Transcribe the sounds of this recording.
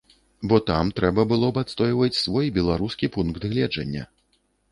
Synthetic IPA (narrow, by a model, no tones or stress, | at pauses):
bɔt̪amt̪ɾɛbɐbɨlˠɔbat̪st̪ɔjvɐt͡sʲsvɔjbʲɛlˠaɾuskʲipunkt̪ɣlʲɛd͡ʐɐ̰nʲːɐ̰